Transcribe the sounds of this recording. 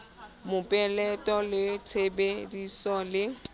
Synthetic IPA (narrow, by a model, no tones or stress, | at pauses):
mʊpʼɛlɛtʼɔlɪt͡sʰebedisɔlɪ